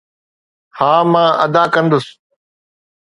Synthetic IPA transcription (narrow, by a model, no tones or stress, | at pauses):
haːmãːʔɐd̪aːkə̃nd̪ʊs